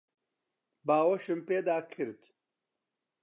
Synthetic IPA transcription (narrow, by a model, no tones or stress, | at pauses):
baːwɐʃɨmpeːd̪aːkʰɨɾt̪